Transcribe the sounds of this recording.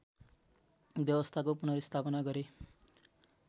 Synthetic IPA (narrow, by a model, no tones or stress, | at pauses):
bjʌwʌst̪ʰakopunʌɾist̪ʰapʌnaɡʌɾe